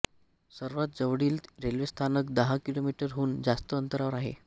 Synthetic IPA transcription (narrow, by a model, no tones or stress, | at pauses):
səɾʋat̪̚d͡zəʋɽiːlɾelʋest̪ʰanək̚d̪əɦakilomiʈəɾɦuːnd͡zast̪əːnt̪əɾaʋəɾaɦḛ